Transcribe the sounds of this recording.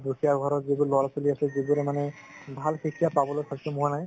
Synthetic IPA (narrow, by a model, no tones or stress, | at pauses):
dukʰijaɡʱɔɹɔtzibulɔɹasoliasɛzibuɾɛmanɛbʱalxikʰijapabɔlojkʰakisɛmuɦanaj